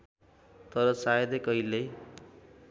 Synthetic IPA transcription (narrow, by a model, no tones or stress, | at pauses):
t̪ʌɾʌsajʌd̪ekʌile